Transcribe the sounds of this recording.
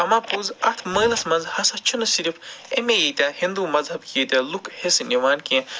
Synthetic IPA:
ɐmãːpuzɐt̪ʰməːjlɐsmɐnzhɐsɐt͡ʃʰunɐsiɾifʰemejit̪ʲɐhĩnd̪uːmɐzɦɐbkiit̪ʲɐlukʰhesniʋaːnkĩ

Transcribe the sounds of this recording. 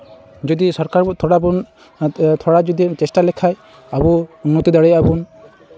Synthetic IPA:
d͡ʒɔd̪isɔɾkaɾt̪ʰɔɽabun | t̪ʰɔɽad͡ʒɔd̪it͡ʃɛsʈalɛkʰaj | abuunːɔt̪ud̪ɔɽɛabun

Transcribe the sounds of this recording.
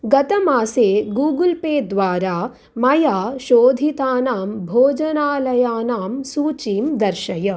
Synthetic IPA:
ɡɐt̪ɐmaːseːɡuːɡulpeːd̪ʋaːɾaː | mɐjaːʃoːd̪ʱit̪aːnaːmbʱoːd͡ʒɐnaːlɐjaːnaːmsuːt͡ʃiːmd̪ɐɾʃɐjɐ

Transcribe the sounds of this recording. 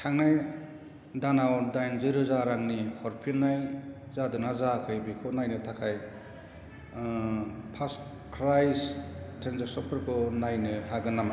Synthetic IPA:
kʰaŋnaj | danawdajnziɾɯzaɾaŋnihɔɾpʰinːaj | zadɯnazakʰɯjbikʰɔnajnɯtʰakʰaj | pʰas | kʰɾajstʰenzesɔpʰɯɾkʰɔnajnɯɦaɡɯnam

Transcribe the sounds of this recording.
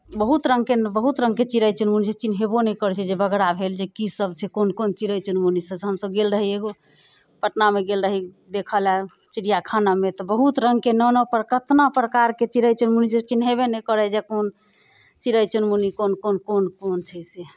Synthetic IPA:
bəɦut̪ɾəŋɡkenbəɦut̪ɾə̃ŋɡ̚ket͡ʃiɾəjt͡ʃunmuniset͡ʃinɦebonɛkəɾt͡ʃʰɛd͡ʒebəɡɾabʱeld͡ʒekisəbt͡ʃʰɛkonkont͡ʃiɾəjt͡ʃunmunisəsɦəmsəb̚ɡelɾəɦieɡo | pəʈnameɡelɾəɦi | d̪ekʰəla | t͡ʃiɾijakʰanamet̪ɔbəɦut̪ɾəŋɡkenɔnɔpɾəkət̪napɾəkaɾket͡ʃiɾəjt͡ʃunmuniset͡ʃinɦeβenɛkəɾɛd͡ʒɛkon | t͡ʃiɾəjt͡ʃunmunikonkonkonkont͡ʃʰəse

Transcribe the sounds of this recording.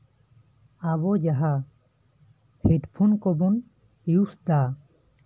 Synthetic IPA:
aβɔd͡ʒaɦa | heʈpʰunkɔbun | iusd̪a

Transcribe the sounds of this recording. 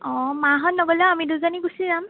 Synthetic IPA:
ɔ̃maɦɔtnɔɡɔlɛamiduzɔniɡusizam

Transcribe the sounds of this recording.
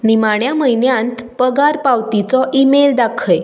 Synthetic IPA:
nimaɳ̃jaməjnjãnt̪pəɡaɾpawt̪it͡sɔʔimeld̪akʰəj

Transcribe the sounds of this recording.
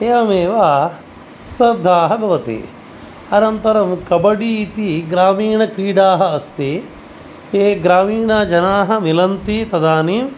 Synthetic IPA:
eːʋɐmeːʋa | st̪ɐd̪ʱːaːɦɐbɐʋɐt̪ḛ | ɐnɐnt̪ɐɾɐmkɐbɐɽiːt̪iɡɾaːmiːɳɐkɾiːɽaːɦɐɐst̪i | keːɡɾaːmiːɳad͡ʒɐnaːɦɐ̆milɐnt̪it̪ɐd̪aːniːm

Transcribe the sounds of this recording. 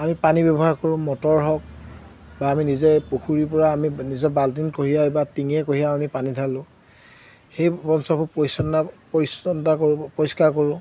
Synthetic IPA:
amipanibɛbɔɦaɹkɔɹʊ̃mɔtɔɹɦɔk̚ | baːminizɛpoxuɹip̬ɔɹaːminizɔbaldinkoɦijaebatiŋɛkoɦijaɔnipanidʰʱalʊ̃ | xejbɔnsɔpʰupɔisɔnapoɹisɔntakoʊ̃pɔɹiskaɹkoɹʊ̃

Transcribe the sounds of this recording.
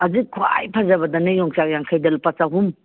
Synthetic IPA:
ɐzikʰua̰jpʰazɐbɐdɐnɐjɔŋt͡ʃakjaŋkʰajdɐlpat͡ʃaɦum

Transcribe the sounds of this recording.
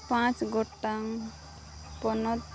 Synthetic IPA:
pãt͡ʃɡɔʈːaŋ | pɔnɔt̪

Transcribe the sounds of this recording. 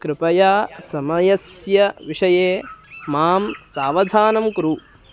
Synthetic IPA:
kɾɪpɐjaːsɐmɐjɐsjɐʋiʂɐjeːmaːmsaːʋɐd̪ʱaːnɐmkɾu

